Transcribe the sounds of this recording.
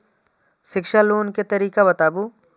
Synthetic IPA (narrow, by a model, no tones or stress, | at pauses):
ʃɪkʃaloːnket̪ɐɾiːkabɐt̪aːbu